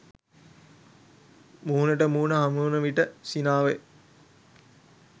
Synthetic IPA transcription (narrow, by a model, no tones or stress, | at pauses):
muːnəʈəmuːnəɦamuːnəʋiʈəsinaːʋe